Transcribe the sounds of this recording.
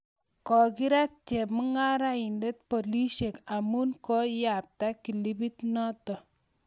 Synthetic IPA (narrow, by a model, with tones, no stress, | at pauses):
kɔ˨ki˦ɾa˦t̚t͡ʃɛ˨pmu˦ŋa˦ɾa˦i˨nde˦t̚po˨li˦ʃe˨ka˨mu˦nkɔ˦ja˨p̚ta˦ki˨li˦bi˦tnɔ˦tɔ˨